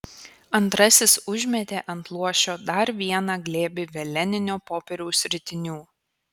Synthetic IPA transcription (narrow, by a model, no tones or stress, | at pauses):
ɐnt̪ɾɐsʲɪsʊʒʲmʲɛt̪ʲeːʔɐnt̪lˠuɔʃʲoːd̪ɐɾʋʲiɛnɑɡlʲeːbʲɪʋʲɛlʲɛnʲɪnʲoːpoːpʲɛɾʲuʊsʲɾʲɪt̪ʲɪnʲuː